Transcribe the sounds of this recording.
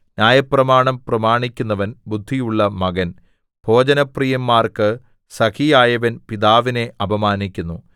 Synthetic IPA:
nʲjaːjɐprɐmaːɳɐmprɐmaːɳikʲːunːɐʋɐnbud̪ʱːijuɭːɐmɐɡɐn | bʱo̞ːd͡ʑɐnɐprijɐmːaːrkɨ | sɐkijaːjɐʋɐnpiðaːʋine̞ʔɐbʱɐmaːnikʲːunːu

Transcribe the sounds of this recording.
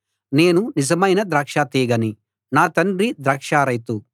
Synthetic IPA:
ne̞ːnunid͡ʒɐmɐjnɐd̪ɾaːkʂaːt̪iːɡɐni | naːt̪ɐnɖɾid̪ɾɐːkʂaːɾɐjt̪u

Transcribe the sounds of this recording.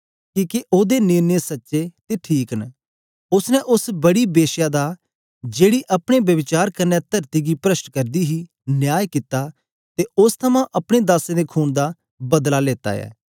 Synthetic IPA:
kiːkeʔoːd̪enɪːnesətːʃeːt̪eːʈʰiːkn | ʊsnɛʔʊsbəɽiːbeːʃjaːd̪aː | d͡ʒeːɽiːʔəpɽ̃eːbjəʋɪt͡ʃaːɾkənːɛːt̪əɾt̪iːɡiːpɾəsʈkəɾd̪iːɦiː | njaːjkɪt̪aː | t̪eʊst̪ʰɐmãːʔɐpɽ̃eːd̪aːsẽːd̪eːkʰuːnd̪aː | bɐd̪laːleːt̪a̰ːjɛ̰ː

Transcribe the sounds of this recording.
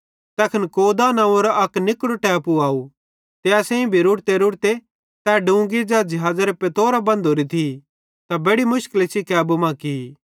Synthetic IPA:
t̪ɛːkʰɐnkoːd̪anaːoɾaʔɐknɪkɽoʈɛːpuaːu | t̪easɛ̃ĩbʱiɾʊɽt̪eɾʊɽt̪e | t̪ɛːɖũːɡid͡ʒad͡ʒɐɦaːd͡zaɾepet̪oːɾabɐ̃nd̪ʱoːɾit̪ʰi | t̪abeːɽimʊʃkəlisikɛːbumãki

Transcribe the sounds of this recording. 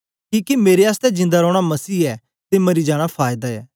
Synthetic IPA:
kiːkimeːɾeaːst̪ɛd͡ʒɪ̃nd̪aɾɔːɽ̃amɐsiːɛ | t̪emɐɾid͡ʒaːɽ̃apʰaːjd̪aɛː

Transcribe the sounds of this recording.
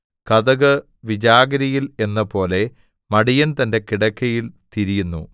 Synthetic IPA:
kɐðɐɣɐ | ʋid͡ʑaːɡɐɾɐjile̞nːɐpo̞ːle̞ | mɐɽijɐnt̪ɐnde̞kiɽɐkːɐjilt̪iɾijunːṵ

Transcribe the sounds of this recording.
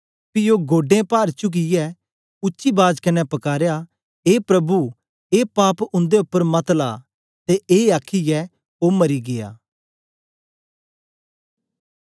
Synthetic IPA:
pijoɡoːɖẽpaːɾt͡ʃʊk̬ijɛ | ʊtːʃibaːd͡ʒkɐnɛpɐkaːɾeja | eːpɾɐbu | eːpaːpʊ̃nd̪eʊpːəɾmɐt̪la̰ː | t̪eeːaːkʰijɛ | oːmɐɾiɡeːa̰ː

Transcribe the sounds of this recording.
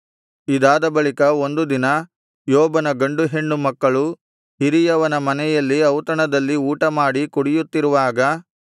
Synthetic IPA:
id̪aːd̪ɐbɐɭikɐo̞nd̪ud̪inɐ | jɔːbɐnɐɡɐɳɖuɦeɳːumɐkːɐɭu | hiɾijɐʋɐnɐmɐnɛjɐlːiɐwt̪ɐɳɐd̪ɐlːiuːʈɐmaːɽikuɽijut̪ːiɾuʋaːɡɐ

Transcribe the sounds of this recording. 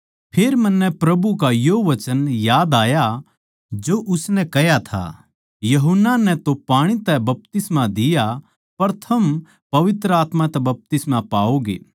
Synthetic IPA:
pʰeːɾmɐnːɛpɾɐbukajoʋɐt͡ʃənjaːd̪aːja | d͡ʒoʔʊsnɛ̃kɐjat̪ʰa̰ | jɐɦʊnːanɛ̃t̪opaːɽ̃it̪ɛbɐp̚t̪ɪsmad̪ɪja | pɐɾt̪ʰɐm | pɐʋɪt̪ɾəaːt̪mãt̪ɛbɐp̚t̪ɪsmapaːoɡḛː

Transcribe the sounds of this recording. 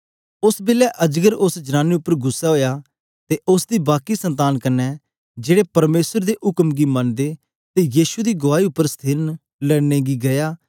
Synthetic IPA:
ʊsbɪlɛʔəd͡ʒɡəɾʊsd͡ʒənaːneʊpːəɾɡʊsːaɦoːjaː | t̪eʔʊsd̪iːbaːkisə̃nt̪̬aːnkɐnːɛ | d͡ʒeːɽepɐɾmeːsəɾd̪eʔʊkəmɡimɐnd̪e | t̪ejiːʃud̪iːɡʊʋaːiʊpːəɾst̪ʰiːɾən | lɛɽneɡiɡɐjaː

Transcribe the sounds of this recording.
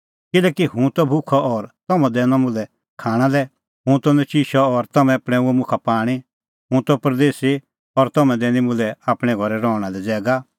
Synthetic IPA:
kɪlɛːkihɦũt̪ɔbʱʊkʰɔʔɔɾt̪ɔmãd̪ɛːnɔ̃mʊ̃lɛ | kʰaːɽ̃alɛ | ɦũt̪ɔnɛt͡ʃiʃɔːɾt̪ɐmɛ̃apɽ̃ɛuɛmʊ̃kʰapaːɽ̃i | ɦũt̪ɔpɾd̪eːsi | ɔɾt̪ɔmɛ̃d̪ɛːnĩmʊ̃lɛaːpɽ̃ɛ̃ɡʱɔɾɛɾɔːɽ̃alɛd͡zɛːɡa

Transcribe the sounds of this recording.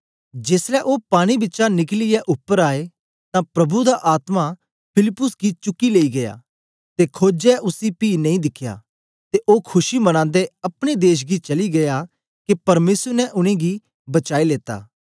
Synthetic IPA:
d͡ʒeːsɾɛʔoːpaːɽ̃ibɪtːt͡ʃanɪklɪjɛʔʊpːəɾaːe | t̪ãpɾɐbud̪aʔaːt̪ma | pʰɪlɪpːʊsɡit͡ʃʊkːileːiɡɐja̰ː | t̪ekʰoːd͡ʒɛʔʊsipiːnɐ̃ĩd̪ɪkʰːja̰ː | t̪eʔoːkʰʊʃimɐɽ̃ãːnd̪eɐpɽ̃ed̪eːʃ̬ɡit͡ʃɐliɡɐja | kepɐɾmeːsəɾnɛʔʊɽ̃ẽɡi | bɐt͡ʃaːileːt̪a̰ː

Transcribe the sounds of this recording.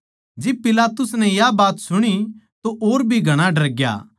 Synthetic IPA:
d͡ʒɪb̚pɪlaːt̪ʊsnɛ̃jabaːt̪sʊɽ̃it̪oʔoːɾbʱiɡʱɐɽ̃aɖɐɾɡja̰ː

